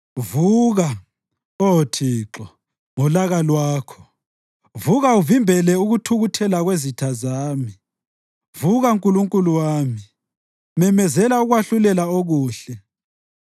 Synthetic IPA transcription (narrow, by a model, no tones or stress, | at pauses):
vuːɣa | otʰiːǁɔ | ŋɔlaɣalwaːkʰɔ̥ | vuɣauvimbʱɛlɛuɣutʰuɣutʰɛlaɣwezitʰazaːmi | vuɣauŋkʼuluŋkʼuluwaːmi | mɛmɛzɛlauɣwaɬulɛlaoɣuːɬɛ